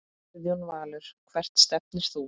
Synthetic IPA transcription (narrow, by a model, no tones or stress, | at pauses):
ðjownvaːlʏɾ̥kʰvɛr̥t̪st̪ɛpnɪst̪θu